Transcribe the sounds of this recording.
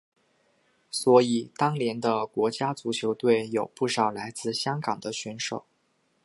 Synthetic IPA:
swɔ˧˥i˨˩t̪ɑ˥ŋljɛ˧˥nd̪ə˧kwɔ˧˥t͡ɕja˥t͡su˧˥t͡ɕʰjo˧˥ʊt̪we˥˩ɪjo˨˩ʊpu˥˩ʂɑ˨˩ʊla˧˥ɪt͡sɹ̩˥˩ɕjɑ˥ŋkɑ˨˩ŋd̪ə˦ɕɥɛ˧˥nʂo̰˨˩˦ʊ

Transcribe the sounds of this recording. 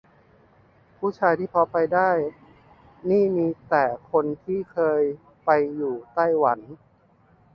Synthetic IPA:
pʰuː˥˩t͡ɕʰaː˧jt̪ʰiː˥˩pʰɔ˧pa˧jdaː˥˩j | niː˥˩miː˧t̪ɛː˨˩kʰo˧nt̪ʰiː˥˩kʰɤː˧j | pa˧jːuː˨˩t̪a˥˩jwa˩˦n

